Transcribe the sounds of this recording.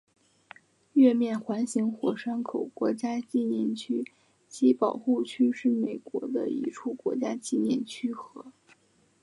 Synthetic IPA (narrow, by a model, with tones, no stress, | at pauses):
ɥɛ˥˧mjɛ˥˩nxwa˧˥nɕi˧˥ŋxwɔ˨˩ʂa˥ŋkʰo˨˩ʊkwɔ˧˥t͡ɕja˥t͡ɕi˥˧njɛ˥˩nt͡ɕʰy˥ | t͡ɕi˧˥pɑ˨˩ʊxu˥˩t͡ɕʰy˥ʂɻ̩˥˩me˨˩ɪkwɔ̰˧˥d̪ə̰˧ḭ˧˥ʈ͡ʂʰu˥˩kwɔ̰˧˥t͡ɕja˥t͡ɕi˥˧njɛ̰˥˩nt͡ɕʰy˥xɤ˧˥